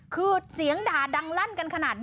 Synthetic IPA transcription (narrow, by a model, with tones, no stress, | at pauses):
kʰɯː˧si˨˩˦əŋdaː˨˩da˧ŋla˥˩nka˧nkʰa˧naː˨˩t̪̚n